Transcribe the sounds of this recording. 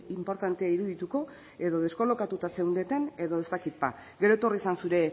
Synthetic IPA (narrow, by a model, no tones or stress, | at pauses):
impo̞ɾt̪ant̪eaiɾuðit̪uko̞ | e̞ðoð̞e̞sko̞lo̞kat̪ut̪ase̞uwnd̪et̪ene̞ðo̞e̞st̪akit̪̚ba̰ | ɡe̞ɾo̞et̪o̞risansuɾe̞